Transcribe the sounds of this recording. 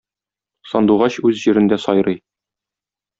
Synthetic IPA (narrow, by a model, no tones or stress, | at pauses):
sɒnd̪uʁɑɕʉzʑiɾɘ̆nd̪æsɒjɾɤj